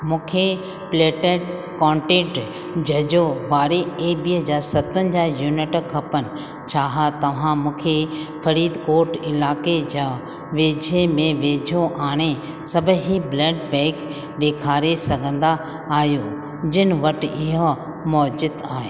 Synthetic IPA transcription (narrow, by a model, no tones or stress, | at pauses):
mũːkʰe | pleːʈeʈ | kɔ̃ːɳʈẽːʈ | d͡ʑɐd͡ʑoʋaːɾeebiːɦəd͡ʑaːɾsɐt̪ənɪ̆d͡ʑaːjuːnɪʈkʰɐpənɪ̆ | t͡ɕʰaːɦat̪ɐʋ̤ãmũːkʰefɐɾiːd̪koːɾʈɪlaːked͡ʑaː | ʋeːd͡ʑʱemẽʋeːd͡ʑʱoʔaːɽ̃e | sɐbʱɦiblɛːɖbɛ̃ːk | ɗeːkʰaːɾesɐɡʱə̃nd̪aː | ɦjo | d͡ʑɪnɪʋɐʈɪɦo | mɔːd͡ʑɪd̪aːɦeː